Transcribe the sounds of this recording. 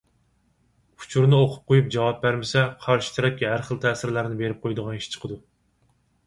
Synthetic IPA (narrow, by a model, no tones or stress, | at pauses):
u̥t͡ʃʰuɾnɨoqʰʊ̥p̚qʰojup̚d͡ʒɑwɑp̚bæɾmɪsɛqʰɑɾʃi̥t̪ʰɛɾɛp̚kʲiɦæɾχəlˠt̪ʰɛːsɪɾlæɾnɪbeɾɪp̚qʰojd̪əʁɑniʃt͡ʃʰə̥qʰəd̪u